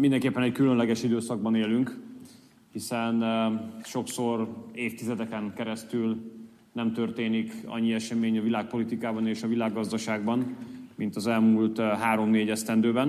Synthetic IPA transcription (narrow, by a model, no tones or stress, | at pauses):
mind̪ɛŋkeːpːɛnɛckylønlɛɡɛʃid̪øːsɒɡ̚bɒneːlyŋk | hisɛnʃo̞kso̞reːft̪izɛd̪ɛkɛŋkɛɾɛst̪yl | nɛmt̪ørt̪eːnikɒ̰ɲːiɛʃɛmeːɲɒvilaːk̚po̞lit̪ikaːbɒneːʃɒvilaːɡːɒzd̪ɒʃaːɡ̚bɒnmint̪ɒzɛlmuːlt̪ɦaːɾo̞mneːɟɛst̪ɛnd̪øːbɛn